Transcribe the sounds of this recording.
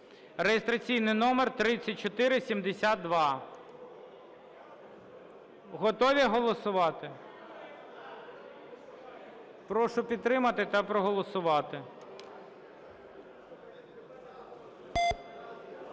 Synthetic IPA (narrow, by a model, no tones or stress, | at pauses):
rejest̪ɾɐt͡sʲijnɪjnɔmert̪ɾɪt͡sʲːɐt̚ʲt͡ʃɔt̪ɪɾɪsʲimd̪esʲad̪d̪ʋɑ | ɦɔt̪ɔʋʲiɦɔlˠɔsʊʋɑt̪ɪ | pɾɔʃʊpʲid̪̚t̪ɾɪmɐt̪ɪt̪ɐpɾɔɦɔlˠɔsʊʋɑt̪ɪ